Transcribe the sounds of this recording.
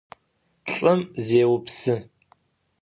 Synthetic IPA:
ɬʼɨmzeːwʊpsɨ

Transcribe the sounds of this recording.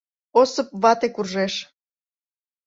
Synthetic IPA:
osɤp̚βɑt̪ekurʒeʃ

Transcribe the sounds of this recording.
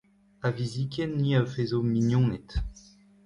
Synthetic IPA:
avizikʲenːiafezominjɔ̃nɛt̪

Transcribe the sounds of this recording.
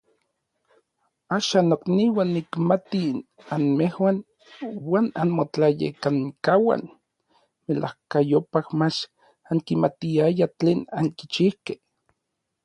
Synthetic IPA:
aːʃanːokniwanːikmat̪inanmehwan | waːnanmot͡ɬajḛkaŋkawa̰n | melʔa̰hkajopahmat͡ʃ | aŋkimat̪iajat͡ɬeːnaŋkit͡ʃihke̥h

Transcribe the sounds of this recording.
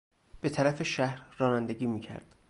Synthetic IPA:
b̥e̞t̪ʰæɾæfeʃæhɾːɒːnænd̪eɟiːmiːcʰæ̰ɾd̪̥

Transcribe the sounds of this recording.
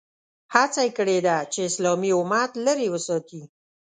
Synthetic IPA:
hat͡sajkəɽed̪at͡ʃeɪslɑmiʊmat̪ləɾewəsɑt̪i

